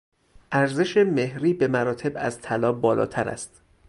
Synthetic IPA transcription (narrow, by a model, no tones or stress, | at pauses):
ʔæɾze̞ʃe̞me̞hɾiːbe̞mæɾɒːt̪ʰe̞bæ̰zt̪ʰælɒːbɒːlɒ̰ːt̪ʰæɾæ̰st̪